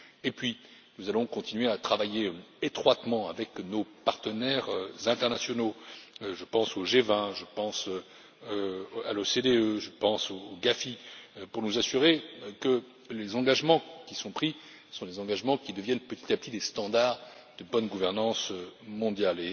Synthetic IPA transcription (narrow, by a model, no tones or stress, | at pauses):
epɥi | nuzalɔ̃kɔ̃t̪inɥeat̪χavajeet̪χwat̪mɑ̃avɛknopaʁt̪ənɛʁøzɛ̃t̪ɛʁnasjɔnoʒəpɑ̃soʒevɛ̃ʒəpɑ̃sø | øa̰losed̪eøʒəpɑ̃soːɡafipuʁnuzasyʁekə | lezɑ̃ɡaʒmɑ̃kʲisɔ̃pχi | sɔ̃d̪ezɑ̃ɡaʒmɑ̃kʲid̪əvjɛnpət̪i̥t̪ap̚t̪id̪est̪ɑ̃d̪aʁ | d̪̥əbɔnɡuvɛʁnɑ̃sømɔ̃d̪jale